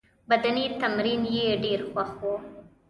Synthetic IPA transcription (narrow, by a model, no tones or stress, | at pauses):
bɐd̪ɐniːt̪ɐmɾiːnjeɖiːɾxwahoː